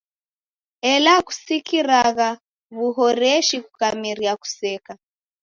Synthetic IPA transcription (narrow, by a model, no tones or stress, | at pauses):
ɛlaku̥sikiɾaɣa | βuɦɔɾɛʃikukamiɾiaku̥sɛka